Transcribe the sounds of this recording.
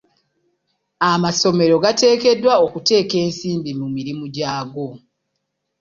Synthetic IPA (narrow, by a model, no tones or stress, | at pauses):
amaso̞me̞ɾo̞ɡate̞ːke̞dwao̞kute̞ːke̞ːnsiːmbimumiɾimuɟaːɡo̞